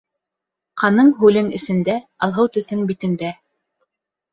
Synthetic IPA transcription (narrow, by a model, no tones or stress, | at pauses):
qɑnɤɴɦʉlɘŋɘ̆sɘ̆nd̪æɑlˠɦɤwt̪ɵ̆θɘŋbit̪ɘ̆nd̪æ